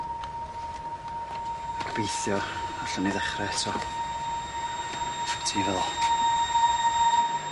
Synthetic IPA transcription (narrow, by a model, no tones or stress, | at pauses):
akʰb̥ejθjɔɔɬaniðɛχrɛɛsʰɔ | tʰiːvɛ